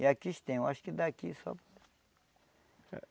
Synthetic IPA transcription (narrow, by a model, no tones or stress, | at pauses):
jakiʃt̪ẽwaʃkid̪akisɔ̰b